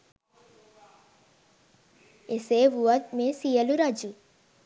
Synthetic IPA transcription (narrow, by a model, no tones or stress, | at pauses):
eseːʋuʋət̪̚mesijəluɾɐd͡ʒu